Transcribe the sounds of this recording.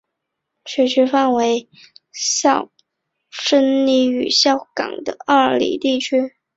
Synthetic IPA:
ɕʰɥɛ˧˥t͡ɕʰy˧˥fa˥˩nwe˧˥ɪ | ɕjɑ˥˧˩ʊ | ʂə˥nli˧˥y˨˩ɕjɑ˥˩ʊkɑ̰˨˩ŋd̪ə̰˦ɐ˥˩lḭ˨˩t̪i˥˩t͡ɕʰy˥

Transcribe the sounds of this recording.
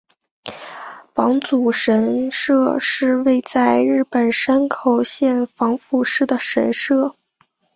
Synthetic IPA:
fɑ˧˥ŋt͡su˨˩ʂə˧˥nʂɤ˥˧ʂɻ̩˥˧we˥˧ɪt͡sa˥˧ɪɻɻ̩˥˩pə˨˩nʂa˥nkʰo˨˩ʊɕjɛ˥˩nfɑ˧˥ŋfu˥˩ʂɻ̩˥˩d̪ə˩ʂə˧˥nʂɤ˥˩

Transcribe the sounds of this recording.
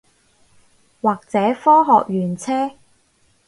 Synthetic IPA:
waː˨˩k̚t͡sɛː˨˥fɔː˥ɦɔː˨k̚jyː˨˩nt͡sʰɛː˥

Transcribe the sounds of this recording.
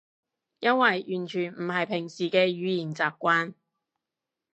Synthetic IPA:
jɐ˥nwɐ˨jʔyː˨˩nt͡ʃʰyː˨˩nm̩˨˩hɐ˨jpʰɪ˨˩ŋsiː˨˩kɛː˧jyː˨˧jiː˨˩nt͡saː˨p̚kʷaː˥n

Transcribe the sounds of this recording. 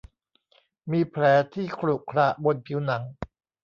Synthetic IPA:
miː˧pʰlɛː˩˦t̪ʰiː˥˩kʰlu˨˩kʰɾa˦˩ʔbo˧npʰi˩˦wna˩˦ŋ

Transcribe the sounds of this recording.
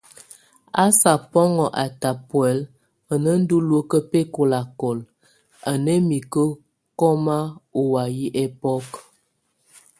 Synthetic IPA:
a˦sa˨pɔ˦ŋɔ˨ʔa˨ta˨pwɛ˨˦l | ə˨nə˦n̩˦du˦lwə˦kə˦pe˦ko˨la˨kɔ˨l | a˨nə˦mi˨kə˦ | kɔ˦ma˦o˨wa˨ji˦ʔe˦pɔ˦k

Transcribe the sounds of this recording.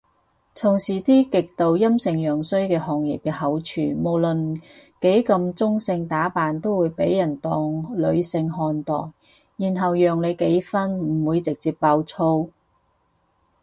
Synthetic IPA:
t͡sʰʊ˨˩ŋsiː˨˩t̪iː˥kɪ˨k̚t̪o˨wjɐ˥msɪ˨ŋjœː˨˩ŋsɵ˥ɥkɛː˧hɔː˨ŋjḭ˨p̚kɛː˧hɐ˨˥wt͡ʃʰyː˨˩mo˨˩wlɵ˨nke˨˥jkɐ˧mt͡sʊ˥ŋsɪ˧ŋt̪aː˨˥paː˨nt̪o˥wuː˨˧jpe˨˥jːɐ˨˩nt̪ɔː˧ŋlɵ˨˧ɥsɪ˧ŋɦɔː˧nt̪ɔ̰ː˨˩jː | iː˨˩nɦɐ˨wjœː˨ŋle˨˧jke˨˥jfɐ˥nmm̩˨˩wuː˨˧jt͡sɪ˨k̚t͡siː˧p̚paː˧wt͡sʰo˥w

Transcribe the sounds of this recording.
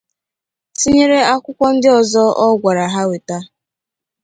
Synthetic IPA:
si˦ɲe˦ɾe˦a˦kʷʊ˦kʷɔ˦n̩˦dɪ˦ɔ˨zɔ˦ʔɔ˦ɡʷa˨ɾa˨ɦa˦we˨ta˦

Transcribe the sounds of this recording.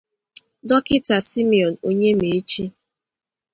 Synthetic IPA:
dɔ˦kɪ˦ta˨si˦mi˨ɔ˨no˦ɲe˦me˨˦t͡ʃi˦

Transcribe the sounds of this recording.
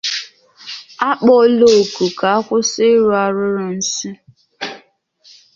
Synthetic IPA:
a˦k͡pɔ˦lo˦o˨ku˨ka˨a˦kʷʊ˦sɪ˦ɾu˦a˦ɾʊ˦ɾʊ˦n̩˦si˦

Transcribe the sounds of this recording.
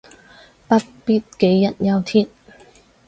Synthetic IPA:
pɐ˥t̚pi˥t̚ke˨˥jːɐ˨˩n̚jɐ˧wt̪ʰiː˥n

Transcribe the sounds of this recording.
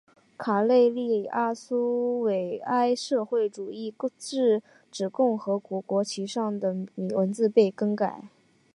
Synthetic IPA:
kʰa˨˩le˥˧ɪli˥˩a˥su˥we˨˩ɪa˥ɪʂɤ˥˧xwe˥˩ɪʈ͡ʂu˨˩i˥˩˥ʈ͡ʂɻ̩˥˩ | ʈ͡ʂɻ̩˨˩kʊ˥˩ŋxɤ˧˥kwɔ˧˥kwɔ˧˥t͡ɕʰi˧˥ʂɑ˥˩ŋd̪ə˩mi˨˩wə˧˥nt͡sɹ̩˥˧pe˥˩ɪkɤ˥ŋka˨˩˦ɪ

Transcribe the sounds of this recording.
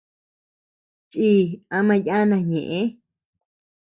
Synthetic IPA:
t͡ʃʼi˦a˧mã˧ja˦nã˧ɲẽ˨ʔẽ˦

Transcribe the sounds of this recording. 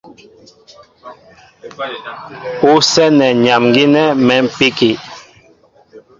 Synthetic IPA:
u˦sɛ˦nɛ˨ɲa˨mŋɡi˦nɛ˦mɛ˨˦m̩˨pi˦ki˨

